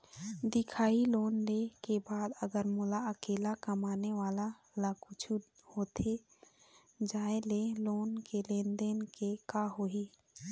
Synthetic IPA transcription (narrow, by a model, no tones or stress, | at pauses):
d̪ɪkʰaːiloːnlekebaːd̪əɡəɾmʊlaəkeːlakəmaːneʋaːla | lakʊt͡ʃʰuhoːt̪ʰe | d͡ʒaːeleloːnkelẽːnd̪enkekaɦoːiː